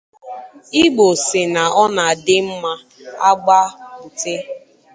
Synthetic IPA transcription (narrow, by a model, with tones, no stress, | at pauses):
i˦ɡ͡bo˨sɪ˨na˨ʔɔ˦na˨a˨dɪ˦m̩˦ma˦ | a˦ɡ͡ba˦u˨tɪ˦